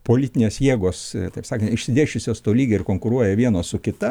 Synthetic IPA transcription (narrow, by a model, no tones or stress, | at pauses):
poːlʲɪt̪ʲɪnʲeːsjeːɡoːst̪ɐɪpsɑːkʲɐnɪʃsʲɪd̪ʲeːʃʲʊsʲoːst̪oːlʲiːɡʲɛɪrkoːŋkʊɾuɔjɛʋʲiɛnoːsʊkʲɪt̪ɐ